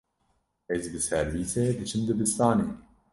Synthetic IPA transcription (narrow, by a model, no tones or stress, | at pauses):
ezbɨsɛɾwiːt̪ʰeːd̪ɨt͡ʃʰɨnd̪ɨbɨst̪aːneː